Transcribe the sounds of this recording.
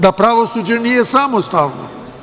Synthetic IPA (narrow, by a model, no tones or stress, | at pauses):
d̪apɾaʋosuːd͡ʒenijesaːmost̪aːʋno̰